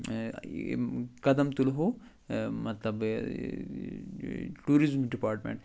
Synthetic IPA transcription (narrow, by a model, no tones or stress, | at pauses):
kɐd̪ɐmt̪ulɦo | mɐt̪lɐb | ʈuːɾizmɖipaːɾʈmḛ̃ɳʈ